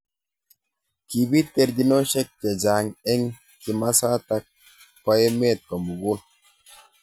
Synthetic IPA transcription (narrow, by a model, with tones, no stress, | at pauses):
ki˨bi˦te˨ɾd͡ʒi˦no˦ʃɛ˦k̚t͡ʃe˨d͡ʒa˨ŋɛ˦ŋ | ki˨ma˦sa˦ta˦k̚ː | ɔ˦je˦me˦˨t̚kɔ˨mu˨ɡu˦l